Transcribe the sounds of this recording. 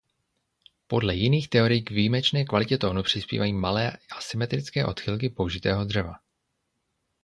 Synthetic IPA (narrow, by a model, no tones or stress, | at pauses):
po̞dlɛjɪniːxt̪ɛo̞ɾɪjɡvijːmɛt͡ʃnɛːkvalɪcɛt̪oːnupr̝̥ɪspḭːvajiːmalɛːʔasɪmɛt̪ɾɪt͡skɛːʔo̞t̪xɪlk̬ɪpowʒɪt̪ɛːɦod̪r̝ɛva